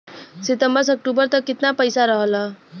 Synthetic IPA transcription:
sit̪ʌmbʌsʌk̚ʈubʌrt̪ʌkit̪napʌjsaɾʌɦʌlʌ

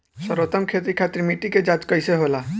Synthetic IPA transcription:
səɾot̪əmkʰet̪ɾikʰat̪ɾimiʈiked͡ʒad͡ʒkəjseɦola

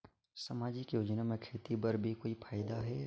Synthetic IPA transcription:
sɐmaːd͡ʒɪkjoːd͡ʒnamẽkʰeːt̪ibɐɾbʱikoːipʰaːɪd̪aɦɛ

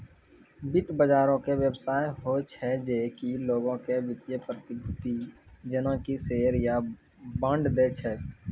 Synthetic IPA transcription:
bɪt̪bəd͡ʒaːɾõkeʋjəbsaːjɦot͡ʃʰɛd͡ʒeːkiloːɡõkebɪt̪jepɾət̪ɪbʱʊt̪id͡ʒənõkiseːɾja | bə̃ɳɖd̪eːt͡ʃʰɛː

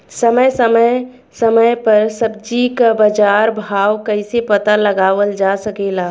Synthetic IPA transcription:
səməjsəmə | səməjpəɾsəb̚d͡ʒikabəd͡ʒaːɾbʱaːwkəɪsepət̪aləɡaːʋəld͡ʒasəkela

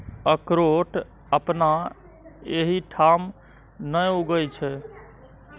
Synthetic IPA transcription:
əkɾoʈ | əpna | eɦiʈʰam | nəjuɡəjt͡ʃʰɛ

